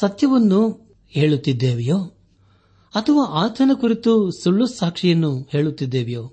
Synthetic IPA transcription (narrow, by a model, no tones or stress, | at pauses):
sɐt̪jɐʋɐnːu | heːɭut̪ːid̪ːeːʋɛjoː | ɐt̪ʰɐʋaːʔaːt̪ʰɐnɐkuɾit̪usuɭːusaːkʂɛjɐnːuhe̞ːɭut̪ːid̪ːeːʋɛjoː